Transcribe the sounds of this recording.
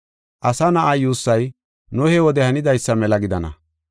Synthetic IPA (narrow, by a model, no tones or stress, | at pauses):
ʔɐsɐnɐʔɐjuːsːɐj | nʊhɛwɔd̪ɛhɐnɪd̪ɐjsːɐmɛlɐɡɪd̪ɐnɐ̰